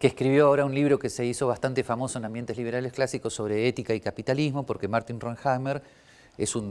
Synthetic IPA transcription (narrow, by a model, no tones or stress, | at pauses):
keːhkɾiβjo̞ao̞ɾaunliβ̞ɾo̞kese̞iso̞βast̪ant̪efamo̞soenambje̞nt̪eliβe̞ɾale̞sklasikosːo̞β̞ɾeet̪ikaikapit̪alizmo̞po̞ɾke̞maɾt̪inronxameɾ | esun